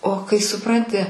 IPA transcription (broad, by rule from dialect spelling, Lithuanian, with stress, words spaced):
oː kɐɪ sʊˈprɐnʲtʲɪ